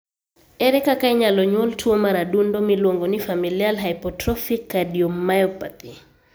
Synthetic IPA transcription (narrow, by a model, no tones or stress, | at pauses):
ɛɾɛkakajɲalɔɲɔltʰuɔmaɾadundɔmilwɔŋɡɔnifamilialɦajpɔtɾɔfikːadiɔmːajɔpapi